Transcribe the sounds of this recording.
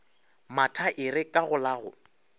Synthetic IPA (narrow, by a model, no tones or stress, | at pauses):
matʰaʔɪrɪkʼaɣʊlaːɣʊ̰